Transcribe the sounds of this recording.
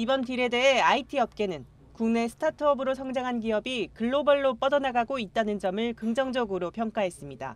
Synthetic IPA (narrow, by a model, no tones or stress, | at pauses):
ibʌntiɾe̞de̞ɦeaitʰiʌp̚k͈e̞nɯn | kuŋne̞sʰɯ̥tʰatʰɯʌbɯɾosʰʌŋd͡ʑaŋɦanɡiʌbikɯɭːobʌɭːop͈ʌdʌnaɡaɡoit̚t͈anɯnd͡ʑʌmɯɭkɯŋd͡ʑʌŋd͡ʑʌɡɯɾopʰjʌŋk͈aɦe̞s͈ɯmɲida̰